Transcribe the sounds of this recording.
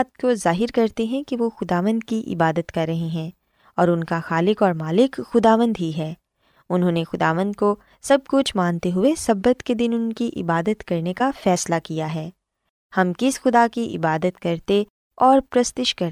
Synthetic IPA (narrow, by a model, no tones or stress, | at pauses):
t̪̚kozaːɦɪɾkɐɾt̪eɦɛ̃kiʋoxʊd̪aːʋə̃nd̪̚kiʔɪ̰baːd̪ət̪kɐɾːɐɦẽɦɛ̃ː | ɔːɾʊnkaxaːlɪkɔːɾmaːlɪkxʊd̪aːʋə̃nd̪ɦiɦɛː | ʊnɦõːnexʊd̪a̰ːʋə̃nd̪̚ko | sɐb̚kʊt͡ʃʰmãːnt̪eɦʊesɐbːət̪ked̪ɪnʊnkiʔɪ̰baːd̪ət̪kɐɾnekafɛːslakijaɦɛː | hɐmkɪsxʊd̪akiʔɪ̰baːd̪ət̪kɐɾt̪e | ɔːɾpɾɐst̪ɪʃkɐɾ